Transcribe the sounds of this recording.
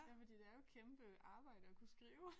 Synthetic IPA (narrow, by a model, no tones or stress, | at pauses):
jæfɒd̥ḭːd̥eæɐjo̝kʰemb̥əɑ̈ːb̥ɑ̈ɪ̰d̥əɒkʰusɡ̥ʁiːʊ